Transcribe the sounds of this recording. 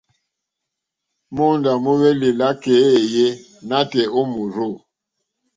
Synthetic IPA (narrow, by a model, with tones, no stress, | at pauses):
mo˦nda˨mu˦wɛ˦li˨la˦ke˨˦e˨je˦ | na˦tɛ˨o˦mu˨ɾo˦˨